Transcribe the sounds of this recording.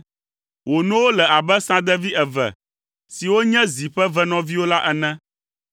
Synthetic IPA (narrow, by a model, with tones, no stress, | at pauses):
wo˨nũ˦wo˦lɛ˨a˨bɛ˦sã˦d̪ɛ˦vi˦ɛ˨vɛ̰˨ | si˨wo˦ɲɛ̃˦zi˨ɸɛ˦vɛ˦nɔ̃˦vi˦wo˦la˦ʔɛ˨nɛ̃˦